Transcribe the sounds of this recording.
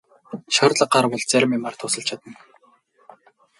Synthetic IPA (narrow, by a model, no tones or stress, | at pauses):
ʃɔrt̪ɮə̆ɢɢarwʊ̆ɮt͡sæɾʲmimart̪ʰʊsə̆ɮt͡ɕʰat̪ə̆n